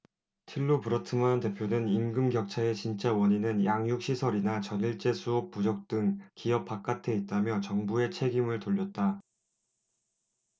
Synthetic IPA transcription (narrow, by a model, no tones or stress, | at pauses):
tʰiɭːopɯɾʌtʰɯmante̞pʰjonɯninɡɯmɡjʌk̚t͡ɕʰae̞t͡ɕint͡ɕ͈awʌɲinɯnjaŋjuk̚ɕ͈ʰisʰʌɾinat͡ɕʌniɭt͡ɕ͈e̞sʰuop̚p͈ːud͡ʑʌk̚t͈ɯŋkiʌp͈ʰak͈̚atʰeit̚t͈amjʌt͡ɕʌŋbue̞t͡ɕʰe̞ɡimɯɭtoʎːʌt̚t͈a